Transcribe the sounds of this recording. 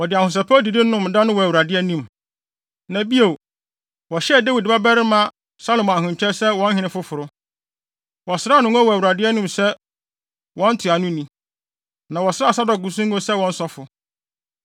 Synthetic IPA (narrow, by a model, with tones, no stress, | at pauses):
wɔ˨dɪ˨a˨hʊ̃˨s̬ɛ˨pʰɔ˦di˨dɪ̃˦ʊ̃˦m̩˨dã˦nʊ̃˦wɔ˨æ˨wu˨ɾa˨dɪ˦ɛ˦nĩ˦m | nã˨bi˦o˨ | wɔ˨ɕɛ˦˨da˦wi˨dba˦bɛ˦ɾɪ˦mã˦ | sa˦lo˨m˨ã˨ɦʊ̃˨ɲ˨t͡ɕᶣʰɛ˦sɛ˦wɔ̃˦n˦ɦɪ̃˨˦nɪ̃˦fʊ˦fʊ˨ɾʊ˦ | wɔ˨sɪ˦ɾa˦nʊ̃˦ŋ˦ɔ˦wɔ˨æ˨wu˨ɾa˨dɪ˦ɛ˦nũ˦msɛ˦ | wɔ̃˦n̩˦tʰɪ˨a˨nʊ̃˦nĩ˦ | nã˨wɔ˨sa˦˨sa˦dɔ˨ɡu˨s̬ũ˦ŋ˦ɡo˦sɛ˦wɔ̃˦n̩˦sɔ˦fʊ˨